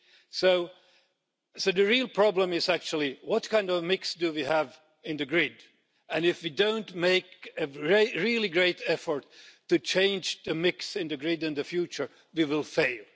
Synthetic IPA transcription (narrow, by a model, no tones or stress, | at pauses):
soʊ | soʊðɨɹilˠpʰɹ̥ɑblə̃mɪzæk̚t͡ʃul̩ˠiwʌt̚kʰãɪ̃ndʌvmɪksd̥ɨwiəv | ɨ̃nðɨɡɹɪd | ɨ̃nɪfwidõʊ̃ntmeɪkɨɹeɹilˠiɡɹeɪɾɛfə˞tʰːɨt͡ʃʰẽɪ̃nd͡ʒðɨmɪksɨ̃nðɨɡɹɪdɨ̃nðɨfjʉt͡ʃə˞ | wiwɪlˠfeɪlˠ